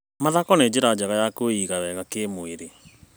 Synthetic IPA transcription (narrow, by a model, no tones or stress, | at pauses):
maðakɔned͡ʑeɾad͡ʒaɣajakoiɣawɛɣakeːmoeɾe